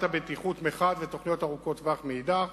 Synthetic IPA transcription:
t̪abet̪iχut̪meχad̪vet̪o̞χnijo̞taʁuko̞t̪vaχmejd̪a

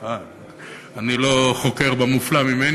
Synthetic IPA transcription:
a | anilo̞χoke̞ʁbemuflamimen

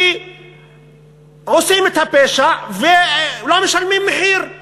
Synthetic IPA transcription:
ʕosimet̪hapeʃavelameʃalmimːeħiːɾ

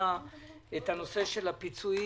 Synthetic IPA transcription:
aethano̞se̞ʃe̞lapit͡sui

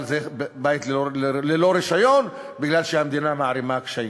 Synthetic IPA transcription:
lzebait̪lleloɾiʃajon | biɡlalʃehamd̪inamaʕɾimakʃai

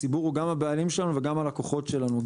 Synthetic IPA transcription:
ibuʁuɡamabealimʃelanuve̞ɡamalakoχo̞tʃe̞lanuɡ

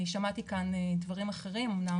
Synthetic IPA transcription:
iʃamat̪ikanedvaʁimaχe̞ʁimumna

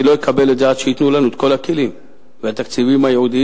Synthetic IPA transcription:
lo̞jekʰabe̞letzeat̪ʃeit̪nulanuet̪̚ko̞lakelim | veat̪akt͡sivimajeud̪i

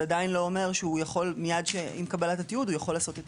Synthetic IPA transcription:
adainlo̞ome̞ʁʃeujaχo̞lmijadʃeimkabalatat̪iud̪ujaχo̞lːaːso̞t̪et̪

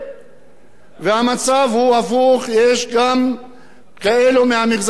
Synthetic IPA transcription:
vehamat͡savhuafuχjeʃɡam | kaelumehamiχz

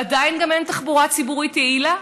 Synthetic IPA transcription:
ad̪ainɡament̪aχbuʁat͡sibuʁit̪eila

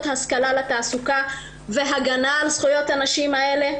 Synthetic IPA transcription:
t̪haskalalat̪aːsuka | ve̞ɦaɡanaːlsχujo̞t̪anaʃimae̞le̞

